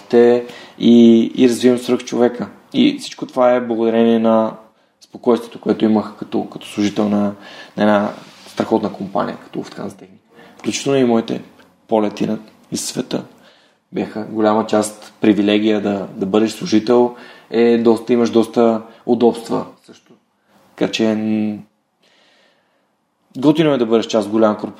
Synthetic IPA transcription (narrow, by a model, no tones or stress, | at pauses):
t̪ɛiḭɾɐzvivɐmsvɾəft͡ʃovɛkə | ḭfsit͡ʃkot̪ovaɛblˠəɡod̪ɐɾɛniɛnɐ | spokɔjst̪vot̪okoɛt̪ʊiməxkɐ̥t̪ɔkɐ̥t̪ɔ̥slˠuʒit̪ɛlˠnɐnɐɛnast̪ɾɐxɔt̪nəkompa̰nʲḭjə̰kɐ̥t̪ɔ̰ft̪ka̰nzt̪ɛxnikfklʲut͡ʃit̪ɛlˠnoimɔit̪ɛ̰ | polɛt̪ḭnɐ | isːvɛt̪ə̰ | bʲjaxəɡolʲamət͡ʃast̪pɾivilɛɡ̟ijəd̪ɐd̪ɐbɤd̪ɛʃslˠuʒit̪ɛlˠɛd̪ɔst̪əiməʃd̪ɔst̪əʊd̪ɔpst̪və̰sɤʃt̪ʊ̥ | t̪ɐ̥ka̰t͡ʃɛ | ɡot̪inomɛd̪ɐbɤd̪ɛʃt͡ʃast̪ɡolʲamkoɾp